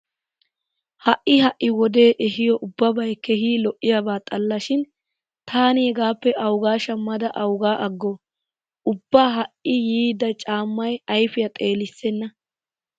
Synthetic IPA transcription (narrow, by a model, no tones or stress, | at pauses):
hɐʔːɪhɐʔːɪwɔd̪e̞ːʔɛhɪjɔʔʊbːɐbɐjkɛhiːlɔʔɪjabaːt̪ʼɐlːɐʃɪn | t̪ʰaːnɪhɛɡaːpːɛʔɐwɡaːʃɐmːɐd̪ɐʔɐwɡaːʔɐɡːɔ | ʔʊbːaːɦɐʔɪjiːd̪ɐt͡ʃʼaːmːɐjɐjfɪjɐt̪ʼe̞ːlɪsːɛnːɐ